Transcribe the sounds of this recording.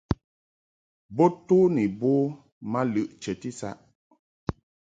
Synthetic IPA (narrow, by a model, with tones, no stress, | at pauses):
bo˦tu˦ni˨bo˦ | ma˦lɨ˦˨ʔt͡ʃɛ˨ti˦sa̰˦ʔ